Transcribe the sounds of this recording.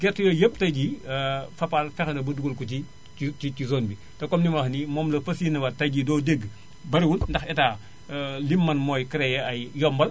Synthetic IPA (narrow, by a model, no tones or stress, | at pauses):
ɡɛrtjɔjəptɐjɟifɐpalfɛxnɐbɐduɡulkɔti | icizoːnbi | tɛkɔmnimɐxnimɔːmlɐfɐsiːnɐwɐtɐjɟidɔːdeɡ | bɐɾiwunːdɐxɛtaː | limːɐnmɔːjkəɾɛjɛɐjjɔmbɐl